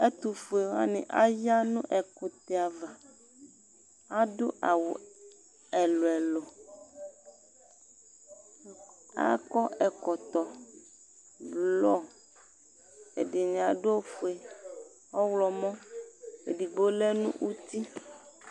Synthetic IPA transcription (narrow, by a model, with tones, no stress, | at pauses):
e˦t̪u˨fu˨e˨wa̰˦nḛ̃˨ʔa̰˦ja˦nũ˦ʔɛ˨ko˨t̪e˨a˨va˨ | a˦do˦ʔa˨wo˨ | ɛ˨lo˨ɛ˨lo˨ | a̰˦kɔ˦ʔɛ˨kɔ˨t̪ɔ˨ | blɔ˦ | ḛ˨ɖi˨ɲ̃˨a˨ɖo˦o˦fu˨e˨ | ɔ˦wlɔ˨mɔ̃˦e˨ɖi˨bo˦lɛ˦nṵ̃˦ʔu˦t̪i˦